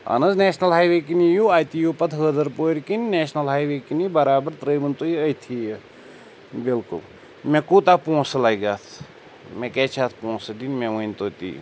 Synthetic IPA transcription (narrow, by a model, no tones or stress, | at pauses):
ɐ̰nɐzneːʃnɐlɦaːjʋeːk̬inijuːaːjt̪ijuːpɐt̪ʰɦəːd̪ɐɾpoːɾkinneːʃnɐlɦaːjʋeːkinibɐɾaːbɐɾt̪ɾəːjmɐnt̪oːiɐjt̪ʰijə | bilkṵl | mẽkuːt̪aːpõːsɐlaːjɡaːt̪ʰ | mẽkeːt͡ʃʰaːt̪ʰpõːsɐd̪inmẽʋəinʲt̪oːt̪ḭː